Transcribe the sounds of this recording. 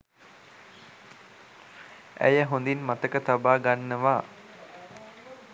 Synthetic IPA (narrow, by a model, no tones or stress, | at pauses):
æ̰jəɦond̪inmat̪əkət̪abaːɡanːəʋaː